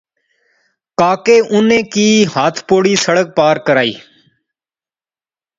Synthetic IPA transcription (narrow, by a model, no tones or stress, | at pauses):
kaːkeːʔʊnẽːkiːɦaːt̪ʰpoːɽiːsəɽək̚paːɾkəɾaːḭː